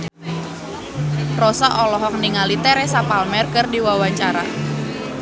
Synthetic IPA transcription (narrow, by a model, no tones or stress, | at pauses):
rɔsaʔɔlɔɦɔk̚niŋalit̪ɛɾɛsapalmɛrkɨrdiwawaɲt͡ʃaɾa̰